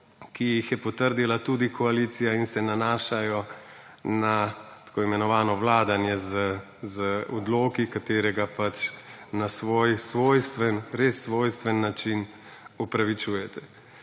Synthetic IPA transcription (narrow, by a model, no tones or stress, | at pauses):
kijixjɛpɔt̪əɾd̪ilat̪uːd̪ikʰɔaliːt̪sijainsɛnanaːʃajɔ | nat̪ḁkoːimɛnɔʋaːnɔʋlaːd̪anjɛzə | zəɔd̪loːkikat̪eːɾɛɡapat͡ʃnasʋoːjsʋoːjst̪ʋɛnɾesːʋoːjst̪ʋɛnːat͡ʃin | upɾaʋit͡ʃuːjɛt̪ʰɛ̥